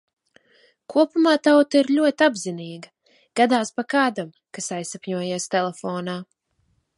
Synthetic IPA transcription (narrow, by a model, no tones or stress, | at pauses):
kʰuɔpumaːt̪awt̪aiɾlʲuɔt̪ʲabziniːɡɐ | ɡ̥ad̪aːspakaːd̪am | kasajsapɲuɔjeɛst̪ɛlˠɛfɔːnaː